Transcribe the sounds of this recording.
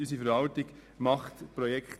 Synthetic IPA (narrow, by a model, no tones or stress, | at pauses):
ysifəɾhɑltɪɡ | mɑχt̪pɾɔjɛkχt̪